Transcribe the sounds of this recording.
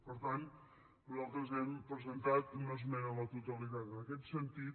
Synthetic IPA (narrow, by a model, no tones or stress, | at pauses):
pəɾt̪an | lalˠt̪ɾəzɛmpɾəzənt̪at̪̚noz̬menələt̪ut̪əlit̪at̪ənəkɛt̪sənt̪it̪